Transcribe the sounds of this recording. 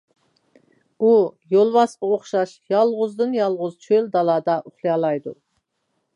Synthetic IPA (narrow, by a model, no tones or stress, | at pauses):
ujolˠwɑsqɑoχʃɑʃjɑlˠʁʊzd̪ɨnjɑlˠʁʊzt͡ʃʰøld̪ɑlˠɑːd̪ɑʔʊχlˠɨjɑlˠɑjd̪u